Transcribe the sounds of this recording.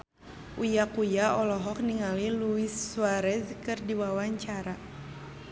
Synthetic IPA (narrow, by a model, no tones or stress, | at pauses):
ʔujakujaɔlɔɦɔk̚niŋaliluisːuaɾɛskɨrdiwawaɲt͡ʃaɾa